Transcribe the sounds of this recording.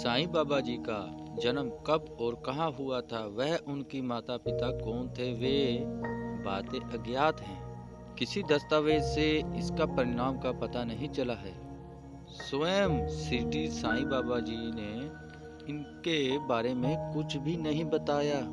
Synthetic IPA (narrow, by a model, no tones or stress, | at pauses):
saːĩbaːbad͡ʒiːkad͡ʒɐnəmkɐbɔːɾkɐɦãɦʊat̪ʰaʋɛɦʊnkimaːt̪apɪt̪akɔːnt̪ʰeʋe | baːt̪ẽʔɐɡjaːt̪ɦɛ̃ː | kɪsid̪ɐst̪aːʋeːd͡ʒseɪskapɐɾɪɾaːmkapɐt̪anɐɦĩt͡ʃɐlaɦɛː | soəmsiʈisãːĩbaːbad͡ʒiːne | ɪnkebaːɾemẽkʊt͡ʃʰbʱinɐɦĩbɐt̪aːjaː